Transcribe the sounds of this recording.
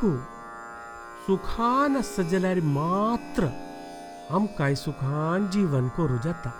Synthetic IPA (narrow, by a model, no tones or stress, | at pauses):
u | sukʰaːnasɐd͡ʒɐlaːɾimaːt̪ɾə | ɐmkaːjsukʰaːnd͡ʒiːʋənkoɾud͡ʒaːt̪a